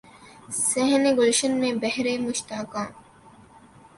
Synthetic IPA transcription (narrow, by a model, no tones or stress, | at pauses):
seɦneɡolʃɐnmẽbɛɦɾeːmʊʃt̪aːkãː